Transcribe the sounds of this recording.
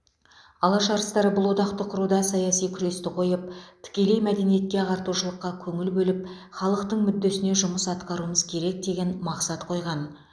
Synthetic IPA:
ɑlˠɑʃɑɾəst̪ɑɾəbʊlˠwo̞d̪ɑqt̪əqʰʊɾud̪ɑsɑjɑsijkʲʰʏɾe̞st̪ɪqʰo̞jəp̚t̪ʰɪ̥kʲe̞le̞jmæd̪e̞nije̞t̪̚kʲe̞ʁɑɾt̪uʃəlˠəqːɑkʲʰɵŋɪlbɵlɪp | χɑlˠəqt̪əɴmʏd̪ːe̞sɪne̞ʒʊməsɑt̪qɑɾuəməzkʲʰe̞ɾe̞k̚d̪e̞ɡʲe̞nmɑqsɑt̪qʰo̞jʁɑn

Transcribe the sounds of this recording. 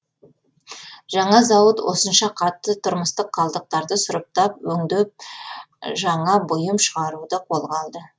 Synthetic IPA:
ʒɑɴɑzɑwət̪wo̞̰sənʃɑqʰɑt̪ːət̪ʰʊɾməst̪əqʰːɑlˠd̪əq̚t̪ɑɾd̪əsʊɾəp̚t̪ɑpwɵŋd̪ep̚ | ʒɑɴɑbʊjəmʃəʁɑɾud̪əqʰo̞lˠʁɑlˠd̪ə

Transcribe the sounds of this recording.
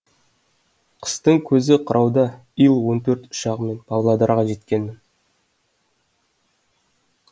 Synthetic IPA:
qʰə̥st̪əɴkʲʰɵzɪqʰəɾʔɑwd̪ɑ | ijlˠwo̞nt̪ʰɵɾt̪ʊ̥ʃɑʁəme̞nb̥ɑlˠlˠɑd̪ɑɾʁɑʒe̞t̪kʲe̞nːɪŋ

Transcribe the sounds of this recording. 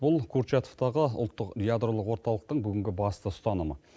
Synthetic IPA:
b̥ʊlˠkʰuɾt͡ʃat̪oft̪ɑʁəʊ̰lˠt̪ːəqjad̪ɾolˠəqwo̞ɾt̪ɑlˠəq̚t̪əɴbʏɡʲɪŋɡʲɪbɑst̪əsʊ̥t̪ɑnəmə

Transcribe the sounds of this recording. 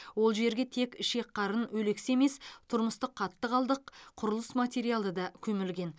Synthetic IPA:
wo̞lˠʒe̞ɾɡʲe̞t̪ʰe̞kɪʃe̞kqʰːɑɾənwɵle̞kseme̞st̪ʰʊɾməst̪əqʰːɑt̪ːəqɑlˠd̪əqʰʊɾəlˠəsmat̪ʲe̞ɾijalˠəd̪ɑkʲʰɵmɪlɡʲe̞n

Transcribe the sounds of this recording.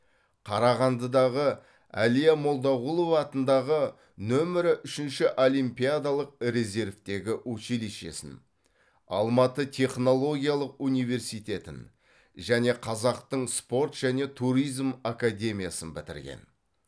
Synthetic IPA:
qʰɑɾɑʁɑnd̪əd̪ɑʁə | æ̰lijamo̞lˠd̪ɑʁulˠo̞vɑːt̪ənd̪ɑʁə | nɵmɪɾɪʔʏʃɪnʃɪʔo̞lʲijmpijad̪alˠəq̚ɾe̞ze̞ɾvt̪e̞ɡʲɪɵʃiliʃe̞̰sɪ̰n | ɑ̰lˠmɑt̪ət̪ʲʰe̞χno̞lˠo̞ɡʲijalˠəqunijve̞rsijt̪e̞t̪ɪ̰n | ʒæne̞qʰɑzɑqt̪əɴspo̞ɾt̪ʒ̥æne̞t̪ʰuɾijzmakad̪ʲe̞mʲijasənbɪt̪ɪ̰ɾɡʲḛn

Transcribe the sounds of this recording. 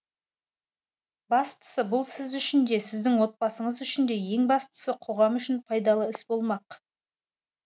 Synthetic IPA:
bɑst̪ə̥səbʊlˠsɪzʏʃɪnd̪e̞sɪzd̪ɪŋwo̞t̪̚bɑsəɴəzʏʃɪnd̪e̞je̞ŋbɑst̪ə̥səqʰo̞ʁɑmʏʃɪnpʰɑjd̪ɑlˠəɪsbo̞lˠmɑq

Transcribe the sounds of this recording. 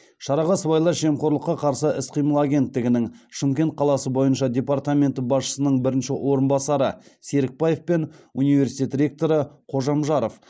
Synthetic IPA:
ʃɑɾɑʁɑsbɑjlˠɑɾʒe̞mqʰo̞ɾlˠəqːɑqʰɑɾsəɪsqʰijməlˠaɡʲe̞nt̪ːɪɡʲɪnɪŋʃɪmkʲe̞nt̪̚qʰɑlˠɑsəbo̞jənʃɑd̪ʲe̞part̪amʲe̞nt̪əbɑsʃə̥sənəɴbɪɾɪnʃɪwʔo̞ɾənbɑsɑɾəse̞ɾɪk̚pɑjefpe̞nunijve̞ɾsi̥t̪ʲet̪rʲe̞k̚t̪o̞ɾəqʰo̞ʒɑmʒɑɾof

